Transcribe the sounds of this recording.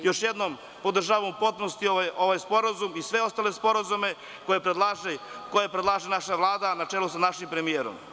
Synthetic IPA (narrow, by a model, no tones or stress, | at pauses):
jo̞ʃjed̪nom | po̞d̪ɾr̩ʒaːʋamupot̪ponost̪ioʋajspo̞ɾazumisʋe̞o̞st̪ale̞spo̞ɾazume̞ | ko̞jepɾed̪lˠaʒekojepɾed̪lˠaːʒenaʃaʋlˠaːd̪anat͡ʃelusanaʃimpɾe̞mijeːɾo̰m